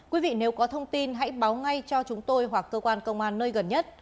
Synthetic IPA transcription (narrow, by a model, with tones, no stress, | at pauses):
kwi˨˦vḭ˧˨ne˨˦wkɔ˨˦t̪ʰə˧wŋ͡mt̪i˧nɦa̰˧˥jɓaː˨˦wŋa˧jt͡ɕɔ˧t͡ɕʊ˨˦ŋ͡mt̪o˧jɦwa˨˩kːəː˧kwaː˧nkə̰˧wŋ͡mʔaː˧nːəː˧jɣə˨˩nɲə˦˥t̚